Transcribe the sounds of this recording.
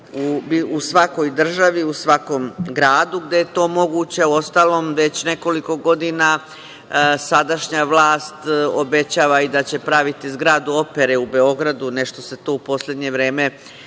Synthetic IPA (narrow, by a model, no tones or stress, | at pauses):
ubiusʋako̞jd̪r̩ʒaʋiusʋako̞mɡɾaːd̪uɡd̪ejet̪o̞ːmo̞ɡuːt͡ɕeuo̞st̪aːlo̞ːmʋe̞t͡ɕne̞ko̞liko̞ɡo̞d̪ina | sad̪aʃɲaʋlˠaːst̪obe̞t͡ɕaːʋaid̪at͡ɕe̞pɾaʋit̪izɡɾad̪uo̞pe̞ɾeube̞o̞ɡɾad̪une̞ʃt̪o̞se̞t̪o̞upo̞slʲe̞d̪ɲe̞ʋɾe̞ːme̞